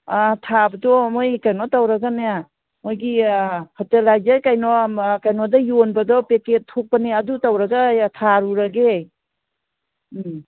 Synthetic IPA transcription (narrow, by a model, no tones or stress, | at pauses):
atʰabɐdɔmojkajnɔtawɾaɡaneja | mojɡihɔtelajd͡ʒajkajnɔkajnɔdajonbɐdɔpeketʰːok̚paneɐdutawɾaɡatʰaɾuɾaɡe